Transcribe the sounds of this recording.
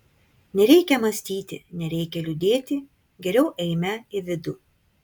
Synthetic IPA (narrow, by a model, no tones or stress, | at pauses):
nʲɛɾʲɛɪkʲɛmɐsʲt̪ʲiːt̪ʲɪ̰nʲɛɾʲɛɪkʲɛlʲʊd̪ʲeːt̪ʲɪ | ɡʲɛɾʲɛʊʔɛɪmʲæɪʋʲɪd̪ʊ